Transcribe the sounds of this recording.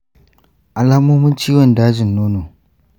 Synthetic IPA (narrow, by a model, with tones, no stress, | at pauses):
ʔa˨laː˦moː˦mʊ˦nt͡ʃiː˦wɔ˨ndaː˦d͡ʒɪ˨nːoː˦noː˨